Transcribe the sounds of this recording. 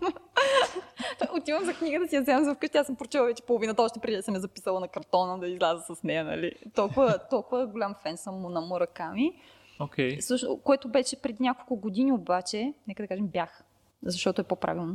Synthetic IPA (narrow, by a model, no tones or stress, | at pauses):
t̪ʔot̪ivəmzɐkniɡət̪ɐt̪ijɐzɛvɐmzɐfkɤʃt̪ʲɛasəmpɾot͡ʃɛlˠɐvɛt͡ʃɛ̥polˠʊvinət̪əɔʃt̪ɛpɾʲɛd̪id̪səmjɐzɐpi̥səlˠɐnɐkɐɾt̪ɔnəd̪ɐizlʲazəsɐsnɛjɐnɐ̰lit̪ɔlˠkʊvət̪ɔlˠkʊvəɡolʲamfɛnsəmːʊnɐmʊɾɐkami | okʰʲɛjsɤʃno̰koɛt̪ʊbɛʃɛpɾɛd̪inʲakolˠkʊɡod̪iniobat͡ʃɛnɛkəd̪ɐkaʒɛmbʲjax | zɐʃt̪ɔt̪oɛpopɾʔa̰vilˠno